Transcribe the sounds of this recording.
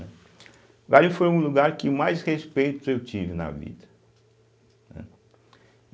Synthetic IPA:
ɛ | ɡalĩfojũluɡaɾkɪmajshespejt̪ʊewt͡ʃivɪnɐ̰vḭd̪ɐ | nɛ̰̃

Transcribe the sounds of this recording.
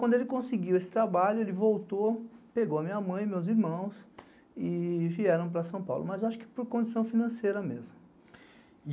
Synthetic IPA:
wɐ̃nd̪ʊelɪkõsɪɡiwesɪ̥t̪ɾabaʎʊelɪvowt̪opeɡowɐmĩɲɐmɐ̃j̃mewziɾmɐ̃w̃s | ɪviɛɾɐ̃w̃pɾɐsɐ̃w̃pa̰wlʊ̰mɐzaʃʊ̥kɪ̥poɾkõd͡ʒisɐ̃w̃finɐ̃sejɾɐmezmʊ

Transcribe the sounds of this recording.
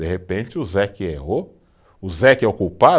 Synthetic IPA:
eɦepẽt͡ʃɪʊzɛkɪeɦo | ʊzɛkɪɛokupa

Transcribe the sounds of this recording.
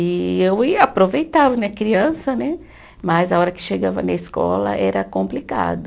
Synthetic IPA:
ɪewiapɾovejt̪avɐnɛɐkɾiɐ̃sɐnɛ | mɐzaɔɾɐkɪ̥ʃeɡavɐ̰nɐiskɔ̰lɐ̰ʔɛɾɐkõmplika̰d̪ʊ

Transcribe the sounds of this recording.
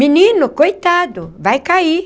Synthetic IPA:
minĩnʊkojt̪ad̪ʊvajkai

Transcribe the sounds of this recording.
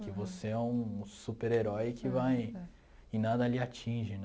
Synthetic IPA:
kɪvoseɛũsupeɾeɾɔjkʰɪvaj | ɪnad̪ɐliat͡ʃĩʒɪn

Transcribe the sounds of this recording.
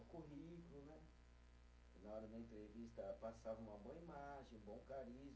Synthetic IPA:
kuɦikʊlʊnɛ | nɐɔɾɐd̪ɐẽnt̪ɾevist̪ɐpasavɐũmɐbõɐimaʒẽj̃bõw̃kaɾizm

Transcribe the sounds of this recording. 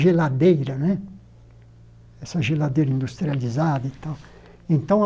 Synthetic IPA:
ʒɛlːad̪ːeːɾanɛ | ɛsːaʒɛlːad̪ːeːɾind̪ust̪ɾializaːðit̪ːɔ | int̪ɔ

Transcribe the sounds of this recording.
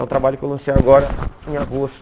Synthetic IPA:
ɛũt̪ɾabaʎʊkewlɐ̃sejaɡɔɾɐẽj̃aɡost̪

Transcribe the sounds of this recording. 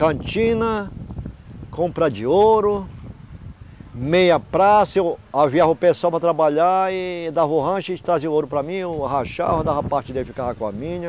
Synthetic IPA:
kɐ̃t͡ʃĩnɐ | kʰõmpɾɐd͡ʒɪoɾʊ | mejɐpɾasewaviaɦʊpesʊawpɾɐt̪ɾabaʎaɪd̪avoɦɐ̃ʃɪd͡ʒɪt̪ɾazeoɾʊpɾɐmĩʊhaʃa̰vɐd̪aɦɐpaɾt͡ʃɪd̪efikaɦakõɐmĩɲɐ

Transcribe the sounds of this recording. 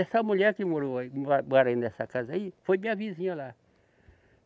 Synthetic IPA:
ɛsɐmuʎɛɾkɪmoɾoaimmɔɾɐĩnɛsɐkazɐifojmĩɲɐvizĩɲɐla

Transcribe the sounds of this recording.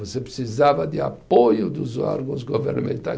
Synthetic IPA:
vosepɾɪsizavɐd̪ɪa̰pojʊd̪ʊzɔ̰ɾɡũzɡoveɾnamḛ̃nt̪a̰j

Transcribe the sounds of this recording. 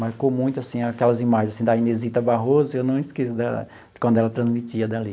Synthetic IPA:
maɾkomũj̃t̪ʊasĩakɛlɐzimaʒẽzasĩd̪ɐĩnezit̪ɐbaɦozɐewnɐ̃w̃ɪskesʊd̪a | kwɐ̃nd̪ʊɛlɐt̪ɾɐ̃zmit͡ʃiɐd̪ali

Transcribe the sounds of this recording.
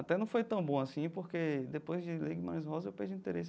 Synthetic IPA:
at̪ɛnɐ̃w̃fojt̪ɐ̃w̃bõasĩpoɾked̪epojzd͡ʒɪleɡɪmã̰ɾẽzɦɔzɐewpɛ̰ɾd͡ʒũĩt̪eɾesɪ

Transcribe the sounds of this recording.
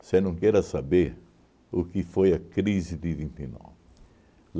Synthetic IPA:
senɐ̃w̃kɛɾɐsabeɾ | ʊkɪfojɐkɾizɪd̪ɪvĩnt̪inɔ̰vɪ

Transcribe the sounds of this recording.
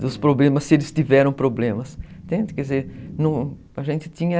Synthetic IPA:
ʊspɾoblẽmɐsɪelɪst̪ivɛɾɐ̃w̃pɾoblẽmɐst̪ẽnd̪ɪkɛdɪzeɾnɐ̃w̃ | ɐʒẽnt̪ɪ̥t̪ĩɲɐ

